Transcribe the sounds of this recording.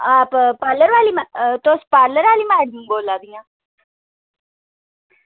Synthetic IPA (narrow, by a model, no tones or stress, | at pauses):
aːppaːɾləɾʋaːlimat̪oːspaːɾləɾʋaːliːmãːɽĩŋɡoːlːaːd̪iŋã